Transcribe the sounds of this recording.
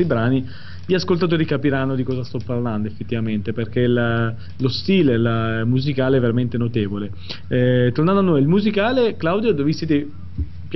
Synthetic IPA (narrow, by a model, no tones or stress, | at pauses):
ibɾaːni | iaskolt̪at̪̬oːɾikapiɾanːod̪ikɔːzast̪ɔpːarland̪oefːet̪ːivament̪eperk̟ela | lost̪iːlelamuzikaːleɛvːeɾament̪enot̪eːvole | t̪ornand̪anːojilmuzikaːleklawd̪jod̪ovistːit̪̬e | p